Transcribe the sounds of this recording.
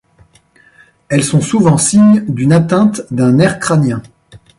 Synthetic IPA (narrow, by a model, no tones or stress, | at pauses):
ɛlsɔ̃suvɑ̃siɲd̪ynat̪ɛ̃t̪d̪ɛ̃nɛʁkχanjɛ̃